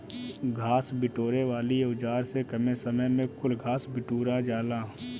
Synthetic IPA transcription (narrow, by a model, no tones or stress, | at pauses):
ɡʱaːsbɪʈoːɾeʋaːlieʊd͡ʒaːɾsekɐmesɐməjmẽkʊlɡʱaːsbɪʈuːɾad͡ʒaːlaː